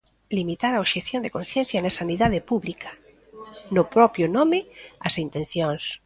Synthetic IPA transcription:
limit̪aɾaoβʃeθjõnd̪ekõn̟θjẽn̟θjanasaniðaðepuβlikʰa | nopɾɔpjonomɪasint̪ẽn̟θjoŋs

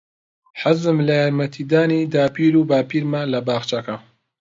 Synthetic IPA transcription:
ħazɨmlɐjaːɾmɐt̪ʰiːd̪aːnid̪aːpiːɾuːbaːpiːɾmalɐbaːxt͡ʃɐkɐ

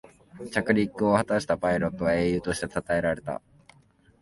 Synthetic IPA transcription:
t͡ɕakɯ̟ɾʲikːɯ̟o̞hat̪aɕi̥t̪apaiɾo̞t̪ːo̞βae̞ːjɯ̟ːt̪o̞ɕi̥t̪e̞t̪at̪ae̞ɾaɾe̞t̪a̰

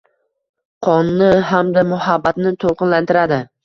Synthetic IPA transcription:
qʰɒnːɪɦamd̪amʊhabːat̪nɪt̪ʰolˠqʰɨnlant̪ɪɾad̪ɪ

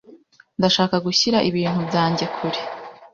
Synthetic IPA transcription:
ndaʃaːkaɡuçiɾaʔiβiːn̥hubɟaːɲɟe̞kʰuɾe̥

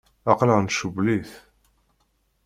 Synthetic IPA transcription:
ɑqləʁnʃuvliθ

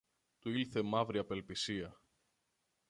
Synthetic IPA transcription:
t̪uilθe̞mɐvɾiɐpe̞lpisiɐ

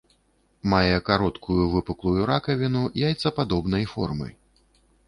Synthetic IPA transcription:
majɛkaɾɔt̪kujuvɨpɨklˠujuɾakɐvʲinujajt̪sɐpad̪ɔbnɐjfɔ̰rmɐ̰j

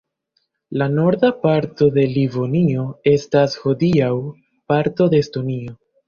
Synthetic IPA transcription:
lano̞ɾdapaɾto̞de̞livo̞nio̞e̞stashod̪iaw | paɾto̞d̪e̞ːsto̞nio̞

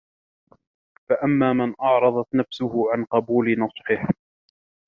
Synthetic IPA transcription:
faʔamːaːmɪnʔɑʕɾˤɑðˤɑt̪nafsʊhʊʕanqɑbuːlɪnɑsˤħɪh

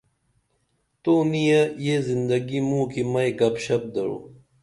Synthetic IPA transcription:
t̪oːnijɐjezind̪ɐɡimũːkimɐjɡɐpɕɐb̚d̪ɐɻo̰ː

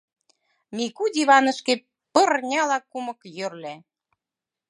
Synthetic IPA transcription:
mʲikud̪ʲiβɑnə̆ʃke | pɤ̆rnʲɑlɑkumɤ̆kjørlæ

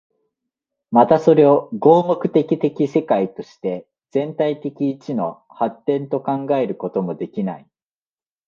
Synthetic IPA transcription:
mat̪aso̞ɾe̞o̞ɡo̞ːmo̞kɯ̟̥t̪e̞kʲit̪e̞kʲise̞kait̪o̞ɕi̥t̪e̞ | d͡zz̥ẽ̞nt̪ait̪e̞kʲiːt͡ɕino̞ | hat̪ːẽ̞nt̪o̞kãŋɡae̞ɾɯ̟ko̞t̪o̞mo̞d̪e̞kʲina̰i

